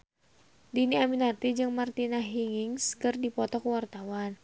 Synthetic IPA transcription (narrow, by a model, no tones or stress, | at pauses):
diniaminart̪id͡ʒɨŋmart̪inaɦiŋiŋskɨrdipɔt̪ɔkwart̪awan